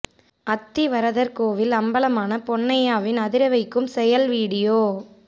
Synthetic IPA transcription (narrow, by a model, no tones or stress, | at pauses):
ɐt̪ːiʋɐɾɐðɐɾkoːʋɪlɐmbɐlɐmaːnɐpɔɳːɐjaːʋɪnɐðɪɾɐʋɐɪkːɯmsɛjɐlʋiːɽɪjoː